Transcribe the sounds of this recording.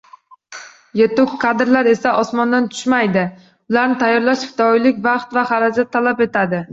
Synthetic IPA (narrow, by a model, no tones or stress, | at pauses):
jet̪ʊkʰːad̪ɪɾlaɾe̞saʔɒsmɒnd̪ant̪ʰʊ̥ʃmajd̪ɪ | ʊlˠaɾnɪt̪ʰajːɒɾlaʃfɪ̥t̪ʰɒjlɪkʲbɑχt̪vaχaɾad͡ʒat̪ʰːalape̞t̪ʰad̪ɪ